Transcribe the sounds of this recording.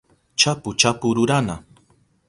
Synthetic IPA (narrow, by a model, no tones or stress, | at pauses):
t͡ʃapʊt͡ʃapʊɾʊɾana